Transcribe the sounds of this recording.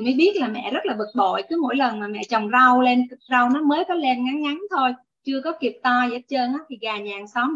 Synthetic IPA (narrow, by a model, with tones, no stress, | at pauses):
məː˨˦jɓi˦˥ət̚laː˨˩mɛ̰˧˨zə˦˥laː˨˩ɓɨ˨˩k̚ɓo̰˧˨jkɨ˨˦mo̰˧˥jlə˨˩nmaː˨˩mɛ̰˧˨t͡ɕɔ˨˩wŋ͡mza˧wle˧nkt̚za˧wnɔ˨˦məː˨˦jkɔ˨˦le˧nŋa˨˦ŋŋa˨˦nt̪ʰo˧j | t͡ɕɨ˧əkɔ˨˦ki˨˩əp̚t̪ɔ˧zə̰ː˧˥˦t͡ɕəː˧nʔaː˨˦t̪ʰi˨˩ɣaː˨˩ɲaː˨˩ŋsɔ˨˦m